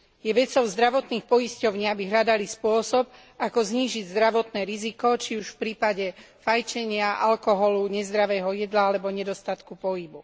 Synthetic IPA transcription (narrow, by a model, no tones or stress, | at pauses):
jɛʋɛt͡sɔʊzd̪ɾaʋɔt̪niːxpɔjiscɔʊɲɪabiɦʎad̪alispʊɔsɔb | akɔzɲiːʒiɟzd̪ɾaʋɔt̪nɛːɾizikɔt͡ʃiuʃfpɾiːpaɟɛ | fajt͡ʃɛɲɪaʔalkɔɦɔluɲɛzd̪ɾaʋɛːɦɔjɛd̪laalɛbɔɲɛd̪ɔst̪at̪kupɔɦibu